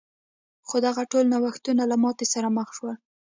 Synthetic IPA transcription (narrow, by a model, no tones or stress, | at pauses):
xod̪aɣaʈolnawaxt̪unalamɑt̪esaɾaməxʃwa